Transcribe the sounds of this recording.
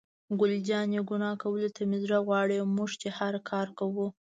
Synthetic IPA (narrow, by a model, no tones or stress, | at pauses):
ɡʊld͡ʒɑnjeɡʊnɑkawəlet̪amizɾaɣwɑɽemuʐt͡ʃehaɾkʰɑɾkawu